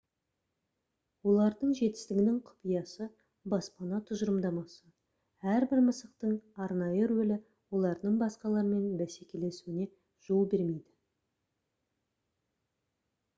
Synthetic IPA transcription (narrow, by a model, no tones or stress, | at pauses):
wo̞lˠɑɾd̪əɴʒe̞t̪ɪ̥st̪ɪɡʲɪnɪŋqʰʊ̥pijɑsə | bɑspɑnɑt̪ʰʊʒəɾəmd̪ɑmɑsə | æɾbɪɾməsəq̚t̪əɴɑɾnɑjəɾwɵlɪ | wo̞lˠɑɾd̪əɴbɑsqɑlˠɑɾəme̞nbæsekʲe̞le̞suwɪne̞ | ʒ̥olˠbe̞ɾme̞jd̪ɪ